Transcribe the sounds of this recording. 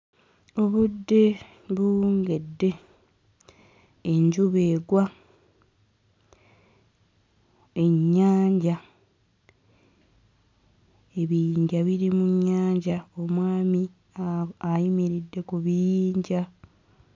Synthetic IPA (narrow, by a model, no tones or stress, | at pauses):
o̞βudːe | βuːŋɡe̞dːe̞ | ɲɟuβe̞ːɡwa | e̞ɲːaːɲɟa | e̞βijiːɲɟaβiɾimuɲːaːɲɟao̞mwaːmi | ajimiɾidːe̞kuβijiːɲɟa